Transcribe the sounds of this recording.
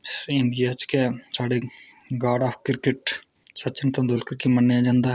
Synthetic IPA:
sɪɳɖijat͡ʃkesaːɽeɡaːɖaːpʰkɪɾkeʈ | sɐtːt͡ʃʰɪnt̪õd̪olkəɾkimɐnːejãd͡ʒãːnd̪aːɦ

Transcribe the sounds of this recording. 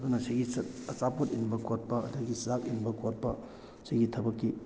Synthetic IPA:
ɐd̪unɐsiɡisɐtɐt͡ʃapotinbɐkot̚pɐɐ̰dɐɡiszak̚inbɐkot̚pɐ | siɡitʰɐbɐkːi

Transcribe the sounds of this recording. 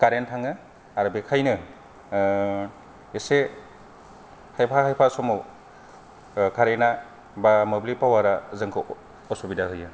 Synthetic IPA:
kaɾentʰaŋɯ | aɾɯbekʰajnɯ | ese | hajpʰahajpʰasɔmo | kʰaɾena | bamɯblipawaɾazɯŋkʰɯ | ɔsobidaɦɯjɯ

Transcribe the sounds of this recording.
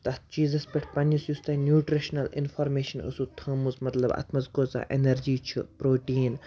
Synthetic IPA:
t̪ɐt͡ʃiːzɐspʲeʈʰpɐnisjust̪ɐnjuːʈɾiʃnɐlḭnfʰɔɾmeːʃɐnə̰sut̪ʰəːmuzmɐt̪lɐbɐ̰t̪ʰmɐzkoːt͡sa̰ʔenɐɾd͡ʒiːt͡ʃʰṵpɾoːʈiːn

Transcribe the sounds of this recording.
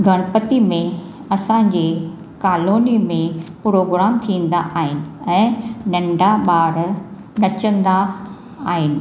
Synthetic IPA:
ɡʱɐɽ̃ʊpət̪imẽ | ɐsãɲd͡ʑeː | kaːloːnimẽpɾoːɡɾaːmt̪ʰĩːn̆d̪a̰ʔaːɦɪnɪ̆ɛ̃ːnɐ̃ɳɖʱaɓaːɽ | nɐt͡ɕə̃nd̪aː | ɦɪnɪ̆

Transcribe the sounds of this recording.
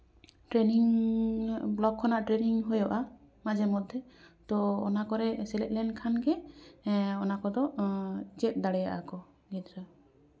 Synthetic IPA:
ʈɾeniŋ | blɔkʰːɔnaʔʈɾeniŋɦojɔʔa | mad͡ʒɛmɔd̪ʱjɔt̪ɔɔnakɔɾɛsɛlɛt̚lɛnkʰanɡɛ | ɔnakɔd̪ɔt͡ʃɛt̚d̪aɽɛja̰ʔakɔ | ɡɛt̪ɾa

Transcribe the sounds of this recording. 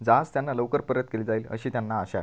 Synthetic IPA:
d͡zad͡zt̪janːaləwkəɾpəɾət̪̚keliːd͡zaiːlə̰ɕiːt̪janːaːɕa̰

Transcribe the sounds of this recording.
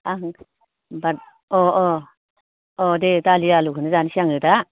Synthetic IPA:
aɦ | bat̚ | ɔɔ | ɔdetalialukʰɯnɯzansiaŋɯta

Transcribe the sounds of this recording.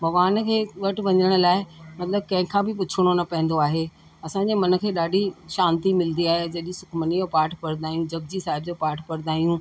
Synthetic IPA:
bɐʋaːnkʰeːʋɐʈʋɐ̃ɲəɽ̃ʊ̆laːɪmɐt̪ləb̚kɐ̃ɦɪ̃kʰãːbɪpʊt͡ɕʰɪɽ̃onɐpɐ̃ɦɪ̃nd̪oaːɦeː | ɐsãɲd͡ʑeːmɐnə̆kʰeːɗaːɖʱiʃãːnt̪imɪlənd̪iaːɦed͡ʑɐɗĩsʊkʰmənijopaːɾʈʰpɐɾd̪aːijũd͡ʑɐb̚d͡ʑisaːɦɪbd͡ʑopaːɾʈʰpɐɾɪd̪aːijũ

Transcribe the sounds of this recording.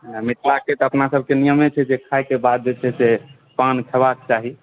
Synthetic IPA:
mit̪ʰlaket̪əpnasəb̚ʱkenijəmet͡ʃʰɛd͡ʒekʰaekebad̪̚d͡ʒet͡ʃʰɛse | pankʰɛbakt͡ʃaɦi

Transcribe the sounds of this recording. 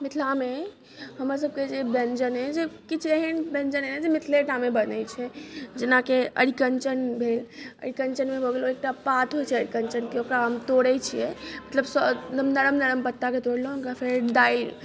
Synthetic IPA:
mit̪ʰlame | ɦəmɾas̬əb̚ked͡ʒebẽnd͡ʒənɦɛd͡ʒekit͡ʃʰeɦenbẽnd͡ʒənɦɛned͡ʒemit̪ʰleʈamebənət͡ʃʰɛd͡ʒenakeə̰ɽikənt͡ʃənbʱelə̰ɽ̤ikənt͡ʃənmebʱoɡeloek̚ʈapat̪ʰɦojt͡ʃʰɛəɽikənt͡ʃənkeokɾaɦəmt̪oɽɛt͡ʃʰijɛmət̪ləbsɔmnəɾəmnəɾəmpət̪ːaket̪oɽlɦũkapʰeɾɖ̪aiɾ

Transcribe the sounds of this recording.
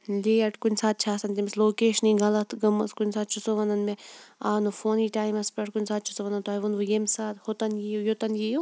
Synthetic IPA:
lʲeːɐʈʰkunʲsaːt̪̚t͡ʃʰaːsɐnt̪imɐsloːkeːʃɐniɡɐlɐt̪ʰɡɐmɐskunʲsaːt̪̚t͡ʃʰusoʋɐnɐnmeaːnufoːniːʈaːjmɐspɐʈʰkunʲsaːt̪̚t͡ʃʰu̥soʋɐnɐnt̪aːjʋunʋujemsaːt̪hot̪ɐnjijojot̪ɐnjiju

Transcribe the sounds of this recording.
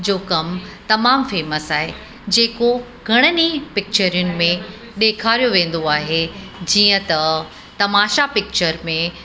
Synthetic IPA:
d͡ʑoːkɐmt̪ɐmaːmfeːməsaːɦe | d͡ʑeːko | ɡʱɐɽ̃ənipɪk̚t͡ɕəɾijʊnɪ̆mẽ | ɗeːkʰaːɾijoʋẽːn̆d̪oaːɦed͡ʑiːə̃t̪ɐ | t̪ɐmaːʃapɪk̚t͡ɕəɾmẽ

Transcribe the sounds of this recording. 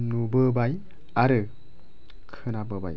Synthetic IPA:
nubɯbaj | aɾɯ | kʰɯnabɯba̰j

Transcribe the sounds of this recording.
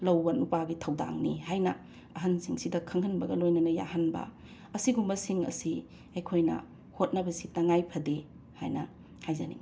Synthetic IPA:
lɐwbɐnupaɡitʰɐwda̰ŋnihajnɐ | ɐɦɐnsiŋsidɐkʰɐŋhɐnbɐɡɐlojnɐnɐja̰hɐnbɐ̰ | ɐsiɡumbɐsiŋɐ̰si | ɐjkʰojnɐ̰ | hot̚nɐbɐsitɐŋajpʰɐde | hajnɐ | hajzɐnḭ

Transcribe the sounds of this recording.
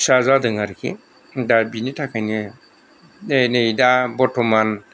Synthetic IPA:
sazadɯŋaɾkʰḭ | dabinitʰakʰajnɯ | enɯjdabɔtʰɔman

